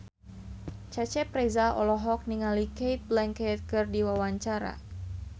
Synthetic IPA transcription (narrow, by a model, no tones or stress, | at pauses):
t͡ʃat͡ʃɛpɾɛzaɔlɔɦɔk̚niŋalikejt̪̚blɛŋkɛt̪̚kɨrdiwawaɲt͡ʃaɾa̰